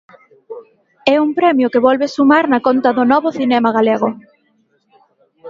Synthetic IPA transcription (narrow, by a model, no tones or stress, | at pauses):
ɛuŋpɾɛmjʊkeβɔlβesumaɾnakont̪aðʊnɔβʊθinɛmaɣ̞aleɣ̞ʊ